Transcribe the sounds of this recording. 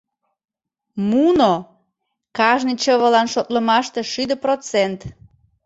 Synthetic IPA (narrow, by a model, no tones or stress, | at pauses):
muno | kɑʒnit͡ɕəβəlɑnʃot̪ləmɑʃt̪eʃyd̪əprot͡sent̪